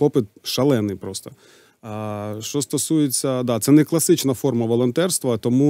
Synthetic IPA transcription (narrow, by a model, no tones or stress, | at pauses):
pɔpɪt̪̚ʃɐlˠɛnɪjpɾɔst̪ɔ̥ | ʃt͡ʃɔst̪ɔsujet͡sʲːɐd̪at̪sɛnɛklˠɐsɪt͡ʃnɐfɔrmɐʋɔlˠɔnt̪ɛrst̪ʋɐt̪ɔmu